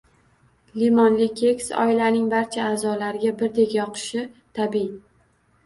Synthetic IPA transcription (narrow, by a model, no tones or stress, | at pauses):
limɒnlɪkʲʰe̞ksɒ̰ɪlanɪŋbaɾt͡ʃʰaːzɒlaɾɪɡʲabɪɾd̪e̞kʲjɒqʰɨ̥ʃɪt̪ʰabi